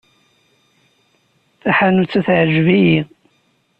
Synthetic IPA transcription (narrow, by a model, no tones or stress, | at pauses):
θaħanut͡sːæθʕəʒvijið